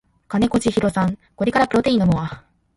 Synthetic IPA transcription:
kane̞ko̞t͡ɕiçiɾo̞sãŋko̞ɾʲikaɾapɯ̟ɾo̞t̪e̞ĩːnːomoβa

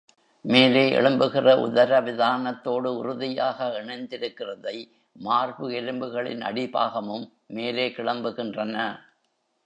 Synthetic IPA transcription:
meːleːʔɛ̰ɭɯmbɯɣɪrɐʔʊ̰ðɐɾɐʋɪðaːnɐt̪ːoːɽɯʊɾʊðɪjaːɣɐɛɳɐɪnd̪ɪɾɯkːɪrɐðɐɪ | maːrbɯɛlɯmbɯɣɐɭɪ̰nʔɐ̰ɽɪba̰ːɣɐmɯmː | eːleːkɪɭɐmbɯɣɪndrɐnɐ

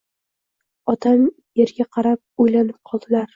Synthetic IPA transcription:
ɒt̪ʰam | eɾɡʲaqʰɑɾap̚ojlanɪp̚qʰɒlˠd̪ɪlaɾ

